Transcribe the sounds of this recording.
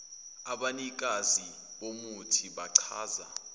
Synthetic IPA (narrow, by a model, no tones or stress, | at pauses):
aɓanik̬ʼazi | ɓomutʰiɓaǀʰaːza̰